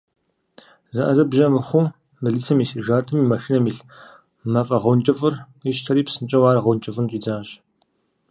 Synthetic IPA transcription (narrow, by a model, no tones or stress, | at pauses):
zɐʔɐzɐbʒɐmɨχʷʊ | mɨɮisɐmiːsiʒaːtʰʼɨmimɐʃinɐmiɬ | mɐfʼɐʁont͡ʃʼɐfʼɨr | ɪʃtʰɐɾiːpsɨnt͡ʃʼɐwaːɾɐʁownt͡ʃʼɐfʼɨnt͡ʃʼiːd͡zaːɕ